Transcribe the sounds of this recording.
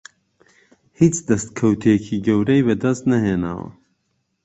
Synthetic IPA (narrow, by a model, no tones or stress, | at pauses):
hit͡ʃd̪ɐst̪̚kʰɐwt̪ʰijekʰiːɡɐwɾɛjbɛd̪ɐst̪nɐɦeːna̰ːwɐ̰